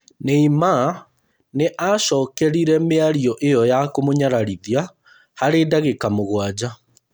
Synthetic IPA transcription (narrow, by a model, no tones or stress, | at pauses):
neima | neʔaʃɔːkɛɾiɾɛmeaɾiɔʔejɔjakomoɲaɾaɾiðia | haɾeːdaɣekamoɣwad͡ʑa